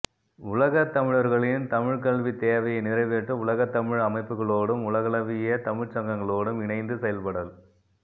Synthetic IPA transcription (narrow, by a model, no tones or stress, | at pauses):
ʊlɐɣɐt̪ːɐmɪɻɐɾɣɐɭɪnt̪ɐmɪɻkɐɭʋit̪eːʋɐjɐɪnɪrɐɪʋeʈːɯʊlɐɣɐt̪ːɐmɪɻɐmɐɪpːɯɣɐɭoːɽɯmʊlɐɣɐlɐʋɪjɐt̪ɐmɪɻt͡ʃɐŋɡɐŋɡɐɭoːɽɯmɪɳɐɪnd̪ɯsɛjɐlpɐɽɐl